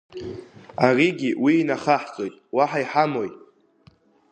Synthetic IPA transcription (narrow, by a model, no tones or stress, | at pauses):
ariɡʲiwiːnaχaħt͡sʼojtʼwaħaiħamo̞j